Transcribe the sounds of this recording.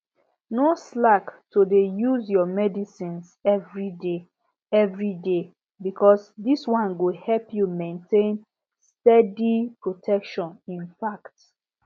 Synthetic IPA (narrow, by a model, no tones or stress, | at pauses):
noslaktodejuzjɔmɛdisĩnsɛvɹide | ɛvɹide | bikʰɔsdiswãnɡohɛlpjumẽntʰẽn | stɛdipɹotʰɛkʃɔ̃nĩnfakt